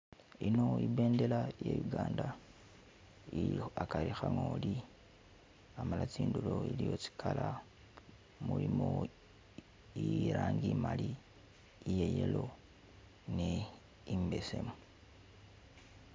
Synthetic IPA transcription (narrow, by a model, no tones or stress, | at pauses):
ino̞ibe̞ːnde̞lajejuɡaːnda | iakaɾixaŋoːli | amalat͡siːndulo̞ilijo̞t͡si̥kʰala | mulimo | iɾaːŋɡimaliː | jejelo̞ | ne | imbe̞se̞mu